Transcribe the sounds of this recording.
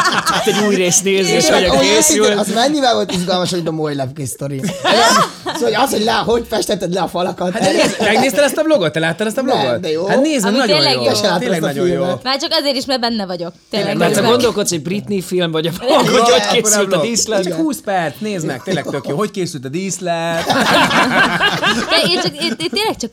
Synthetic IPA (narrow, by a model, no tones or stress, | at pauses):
it̪ːɛɟuːjreːsneːzeːʃoesylzmɛɲːivɛlvo̞lt̪iʒɡɒlmɒʃojd̪ɔmojlɛpɡest̪oɾi | sooɒshoɟlɛɦo̞ɟfɛʃt̪ɛt̪ːɛd̪lɛɒfɒlɒkɒt̪hat̪ɛmɛɡneːst̪ɛlɛst̪ɒbloɡot̪ːɛlaːt̪ːɛlɛst̪ɒblo̞ɡot̪d̪ɛjohat̪neːznɛknɒɟ̪oːnlːɛɛʃɛlaːt̪eːllːɛɡnɒɟoijomɛmaːrt͡ʃɒkɒzeːɾiʃmaːrbɛnːɛvɒɟo̞kt̪eːlːɛɡ̪ɛɛɡo̞nd̪o̞lko̞t̪shoɟbrit̪nifilmvɒɟɒboɡvɒockeːylɒd̪islɛhuːspɛrt̪sneːznɛk̚t̪eːlːɛk̪økjoːɦo̞ckeːsylt̪ɒd̪iːslɛt̪ | d̪ɛeːt͡ʃɒkeːneːlɛk̚t͡ʃɒk